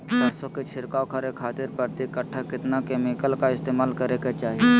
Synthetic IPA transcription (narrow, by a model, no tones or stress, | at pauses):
bɐɾsoket͡ʃʰɪɾkaːokʰaɾekʰaːt̪ɪɾpəɾt̪ikəʈʰːakɪt̪nakeːmɪkəlkaɪst̪eːmaːlkəɾeket͡ʃaːɦie